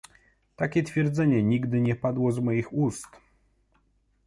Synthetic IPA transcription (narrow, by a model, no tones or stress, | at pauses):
t̪akʲɛt̪fʲjɛɾd̪zɛɲɛɲiɡd̪ɘɲɛpad̪wɔzmɔjixust̪